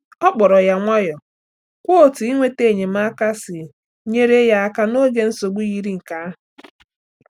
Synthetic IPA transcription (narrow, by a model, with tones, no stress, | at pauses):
ɔ˦k͡pɔ˨ɾɔ˨ja˨ŋʷɔ˦jɔ˨ | kʷo˦˨ti˨i˦ŋʷe˦te˦˨ɲe˨m̩a˦ka˦sɪ˨ | ɲe˦ɾe˦ja˨a˦ka˦no˦ɡe˦n̩˦so˨ɡ͡bu˦ji˦ɾi˦ŋ̩˨ka˦ɦ